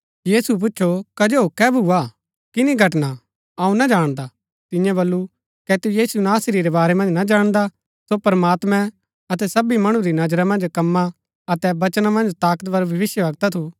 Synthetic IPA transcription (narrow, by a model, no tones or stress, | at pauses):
jiːsuɛp̬ʊt͡ʃːʃʰokɐd͡ʒokɛbʱua | kɪniɡʱɐʈna | ɐũnad͡ʒaːɽ̃d̪a | t̪ɪ̃jãbɐlːu | kɛt̪ujiːsunaːsɾiɾebaːɾɛmɐ̃nd͡ʒnad͡ʒaːɽ̃d̪a | sopɐɾəmaːt̪mɛ̃ | ɐt̪ɛsɐbimɐɽ̃ũɾinɐd͡ʒɾamɐ̃nd͡ʒkɐmːa | ɐt̪ɛbɐt͡ʃnamɐ̃nd͡ʒt̪aːkət̪bɐɾbʱɐʋɪʃjəʋɐɡt̪at̪ʰu